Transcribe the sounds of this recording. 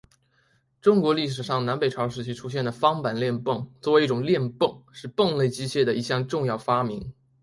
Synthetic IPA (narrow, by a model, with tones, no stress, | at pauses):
ʈ͡ʂʊ˥ŋkwɔ˧˥li˥˩ʂ̬ɻ̩˨˩ʂɑ˥˩ŋna˧˥npe˨˩ɪʈ͡ʂʰɑ˧˥ʊʂ̬ɻ̩˧˥t͡ɕʰi˥ʈ͡ʂʰu˥ɕ̬jɛ˥˩nd̪ə˩fɑ˥ŋpa˨˩nljɛ˥˧npɤ˥˩ŋt͡swɔ˥˩we˧˥i˥˩ʈ͡ʂʊ˨˩ŋljɛ˥˧npɤ˥˩ŋʂɻ̩˥˧pɤ˥˧ŋle˥˧˩ɪt͡ɕi˥ɕjɛ˥˩d̪ə˩i˧˥˩ɕjɑ˥˧ŋʈ͡ʂʊ˥˧ŋjɑ˥˩ʊfa˥mi˧˥ŋ